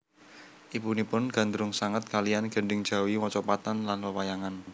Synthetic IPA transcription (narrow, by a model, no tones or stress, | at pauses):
ʔipunipʊnɡ̥a̤nd̪ɾʊŋsaŋət̪̚kalianɡ̥əɳɖɪŋd̥ʒ̥a̤wiwɔt͡ʃɔpat̪anlanwəwajaŋan